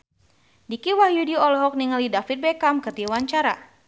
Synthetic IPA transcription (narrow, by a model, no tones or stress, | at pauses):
dikiwahjudiɔlɔɦɔk̚niŋalidafit̪̚bɛkamkət̪iwaɲt͡ʃaɾa